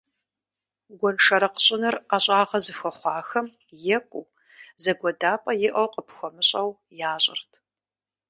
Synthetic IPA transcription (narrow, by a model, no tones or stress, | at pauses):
ɡʷɔnʂɐɾɐqə̥ɕʼɪnɨraːɕʼɑːʁɐzɨxʷɔχʷɑːxɐm | jɛkʷʼuː | zɐɡʷɔdaːpʼɐjɪʔɐwqʼəpxʷɔmɨɕʼɐw | jaːɕʼɪ̰rtʰ